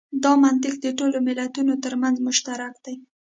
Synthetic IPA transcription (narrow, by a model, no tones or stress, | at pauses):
d̪ɑmant̪ɪk̚d̪əʈolomɪlat̪unot̪əɾmanzmʊʃt̪aɾakd̪̥aj